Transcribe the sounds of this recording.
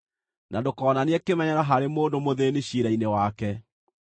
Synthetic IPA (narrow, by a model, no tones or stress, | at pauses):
nadokɔːnaneɛkemɛɲɛɾaɦaɾemoːndomoðeːneɕiɾainewakɛ